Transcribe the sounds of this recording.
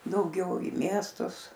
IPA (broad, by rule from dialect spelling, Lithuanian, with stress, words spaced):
dɐʊˈɡʲɛʊ iː ˈmʲiɛstʊs